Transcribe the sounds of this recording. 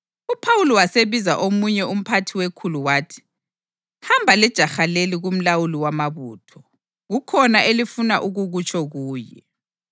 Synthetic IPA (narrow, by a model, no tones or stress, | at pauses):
upʰawuliwaseβizaʔomuɲɛum̩pʰatʰiwekʰuluwaːtʰi̥ | hambʱalɛd̥ʒ̥ʱaxaleliɣum̩lawuliwamaβṵːtʰɔ | ɣukʰɔnaʔelifuna̰ʔuɣuɣut͡ʃʼʰɔɣuːjɛ̰